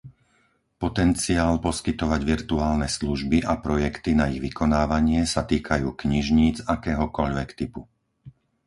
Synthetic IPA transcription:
pɔt̪ɛnt͡siaːlpɔskit̪ɔʋaɟʋiɾt̪uaːlnɛsluʒbiʔapɾɔjɛkt̪inaiɣʋikɔnaːʋaɲɪɛsat̪iːkʰajuːkɲiʒɲiːd͡zakɛːɦɔkɔʎʋɛkt̪ipu

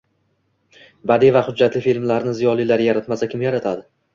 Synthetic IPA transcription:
bad̪ivaχʊd͡ʒːat̪lɪfilmlaɾnɪzijɒlˠilaɾjaɾat̪masakʲʰɪmjaɾat̪ʰad̪ɪ

